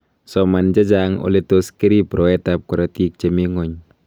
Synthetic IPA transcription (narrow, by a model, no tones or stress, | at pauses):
sɔmand͡ʒad͡ʒaŋo̰lɛt̪oskiɾipɾɔɛt̪ap̚kɔɾat̪ik̚t͡ʃemiŋɔɲ